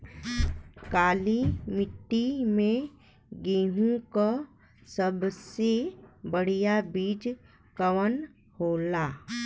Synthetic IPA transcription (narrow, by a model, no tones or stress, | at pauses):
kaːlimɪʈːimẽ | ɡeːɦũka | səbsebəɽ̤ijabiːd͡ʒ | kəʋən | hoːlaː